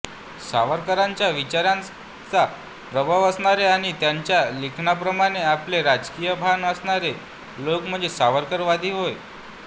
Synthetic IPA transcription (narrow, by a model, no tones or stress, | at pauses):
sa̰ʋəɾkəɾaɲt͡ɕjaʋit͡ɕaɾãn | t͡sa | pɾəbʱəʋəsɳaɾeaɽ̃it̪jaɲt͡ɕjalikʰnapɾəmaɽ̃eapleɾad͡zkijəbʱanəsɳaɾe | lokm̤əɳd͡zesaʋəɾkəɾʋad̪ʱiɦoj